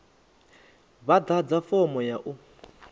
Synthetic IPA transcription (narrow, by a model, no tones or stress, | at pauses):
βad̪ad͡zafɔmɔjaʔu